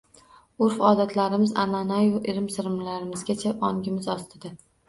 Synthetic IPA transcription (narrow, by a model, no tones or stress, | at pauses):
ʊɾfɒːd̪at̪ʰlaɾɪmɪza̰nanajʊʔɪɾɪmsɪɾɪmlaɾɪmɪzɡʲat͡ʃʰaʔɒŋɡʲɪmɪzɒst̪ʰɪd̪a